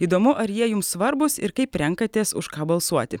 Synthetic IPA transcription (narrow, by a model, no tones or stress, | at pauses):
iːd̪oːmʊʔɐɾjiɛjʊmssʋɐɾbʊsɪɾkɐɪpɾʲɛŋkɐt̪ʲeːsʊ̰ʃkɑːbɐlˠsuɔt̪ʲɪ